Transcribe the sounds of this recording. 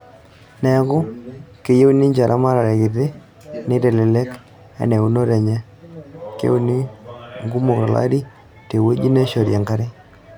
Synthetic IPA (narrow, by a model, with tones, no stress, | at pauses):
nɛ˨˦kʊ˦ke˨je˦u˦ni˦ɲd͡ʒa˨ɾʔa˦ma˦ɾa˨ɾɛ˨kɪ˨tɪ˦ | nɪ˦tɛ˨lɪ˨lɛ˦k | a̰˨nɛ˨u˨no˦ɾɛ˨ɲɛ˦ | kḛ˦u˦˨ni˦ŋɡu˦mo˨kɾa˨la̰˦ɾi˦ | te˨wo˦d͡ʒi˦na˦ʃo˨ɾja˨ŋɡa˦ɾɪ˦